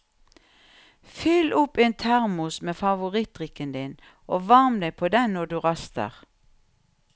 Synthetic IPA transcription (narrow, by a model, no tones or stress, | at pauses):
fʏlʔʊpeːnt̪ʰæʁmʊsmeːfɑʋʊʁɪt̪ʁɪkənd̪ɪn | ʔoːʋɑʁmd̪æɪpʰoːd̪ɛnnɔd̪ʉːʁɑst̪ə̰ʁ